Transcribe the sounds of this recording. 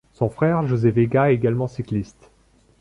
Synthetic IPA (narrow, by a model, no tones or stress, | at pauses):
sɔ̃fχɛʁʒozeveɡaeɡalmɑ̃siklist̪